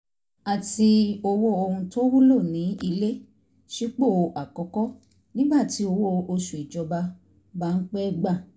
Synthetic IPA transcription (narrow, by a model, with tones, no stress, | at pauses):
a˨ti˧o˧wo˦o˧hũ˧to˦wu˦lo˦˨nĩ˨˦i˧le˦ | ʃi˦k͡po˦˨ʔa˨kɔ˧kɔ˦ | nĩ˦ba˦˨ti˨˦o˧wo˦o˧ʃu˨i˨d͡ʒɔ˧ba˧ | ba˦n̩˦k͡pɛ˦ɡ͡ba˦˨